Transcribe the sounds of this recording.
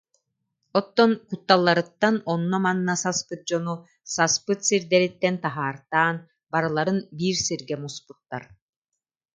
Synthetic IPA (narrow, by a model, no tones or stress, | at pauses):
ɔt̪ːɔnkut̪ːalˠːaɾɯt̪ːanɔnːɔmanːasaspɯt̪̚d͡ʑɔnu | saspɯt̪siɾd̪ɛɾit̪ːɛnt̪aɦaːɾt̪aːn | baɾɯlˠaɾɯnbiːɾsiɾɡɛmusput̪ːaɾ